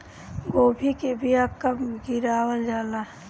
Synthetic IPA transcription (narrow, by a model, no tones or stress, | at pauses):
ɡoːbʱikebʱiap̚kaɡiɾaːwəld͡ʒaːla